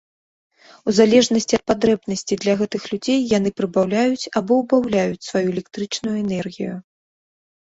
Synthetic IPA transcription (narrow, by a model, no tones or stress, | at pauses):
uzalʲɛʐnɐsʲt͡sʲiɐt̪̚pad̪ɾɛbnɐsʲt͡sʲid̪lʲɐɣɛt̪ɨxlʲud͡zʲejːan̪ɨpɾɨbawlʲajut͡sʲabɔwbawlʲajut͡sʲsvajuelʲɛk̚t̪ɾɨt͡ʂnujuɛnɛrɣʲḭju